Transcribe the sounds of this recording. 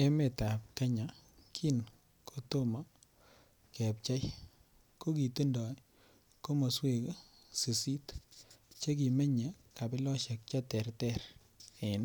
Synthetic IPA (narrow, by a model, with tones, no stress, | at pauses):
e˦me˨ta˨p̚ka˦ɲa˨kʰi˦n | kʰo˦to˦ma˦ | kɛ˨p̚t͡ʃa˦j | ko˦ki˨te˦ndɔ˨ | ko˦mo˨swe˨k | si˨si˦t | t͡ʃe˦k̬i˨me˦ɲa˨ | ka˨pi˦lɔ˦ʃe˨k̚t͡ʃa˦tɛ˨rtɛ˦ɾ | e˨n